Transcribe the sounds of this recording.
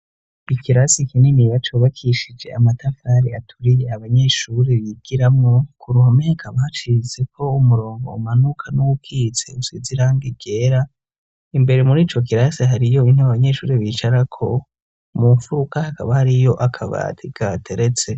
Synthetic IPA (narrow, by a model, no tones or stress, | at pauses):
ikʰiɾasikinimiβat͡ʃuːβakʰiʃid͡ʒe̞̰amatafɾaɾiatʰuɾijeaβaɲe̞ːʃuɾe̞βiɡ̥iɾamŋo̞kuɾuhomeakʰaβat͡ʃize̞kʰo̞umuɾo̞ːŋɡo̞umanukʰanuwukʰize̞̰usiziɾaːŋɡiɡ̥e̞ːɾa | imbe̞ɾemuɾiːt͡ʃo̞k̬iɾasiɦaɾijo̞inuaβaɲe̞ːʃṵːɾeβit͡ʃaɾakʰo̞ | muɱfuɾukahakaβahaɾijo̞ʔakʰaβa̰tʰiɡ̥atʰeɾet͡se̞